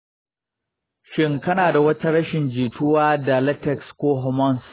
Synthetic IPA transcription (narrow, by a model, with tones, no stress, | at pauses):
ʃɪ˦ŋkɐ˦naː˨da˨wɐ˦ta˦ɽɐ˦ʃɪ˨nd͡ʒiː˨tʰʊ˦waː˦da˨lɛ˦tɛ˨kskʷoː˦ɦɔ˦mɔ˦ns